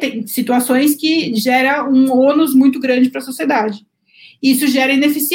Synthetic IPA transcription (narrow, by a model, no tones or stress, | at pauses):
t̪ẽj̃sit̪uasõj̃s̬kɪʒɛɾɐũõnʊzmũj̃t̪ʊɡɾɐ̃d͡ʒɪpɾɐsosied̪ad͡ʒɪ | isʊʒɛɾɐĩnefisi